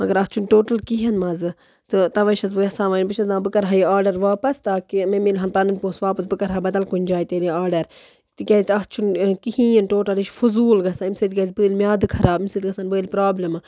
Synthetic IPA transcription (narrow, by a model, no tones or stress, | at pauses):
mɐɡɐɾɐht͡ʃʰunʈoːʈɐlkiɦɐnmɐzɨ | t̪ɨt̪ɐʋɐʃɐz̬bɨjɐsaːʋaːnbɨʃɐznaːbɨkɐɾɦajiaːɾɖɐɾʋaːpɐst̪aːkimemilɦɐnpɐnɨnʲpoːsʋaːpɐs̬bɨkɐɾɦaːbɐd̪ɐlkunʲd͡ʒaːjit̪eːliaːɾɖɐɾ | t̪ɨkʲɐzʲt̪ɐɦt͡ʃʰunkihĩːjɐnʈoːʈɐliʃfuzuːlɡɐsaimsɨt̪̚kʲɐzʲbɨːlʲmjaːd̪ɨkʰɐɾaːbmisɨt̪̚ɡɐsaːnbɨːlʲpɾaːblɐmɨ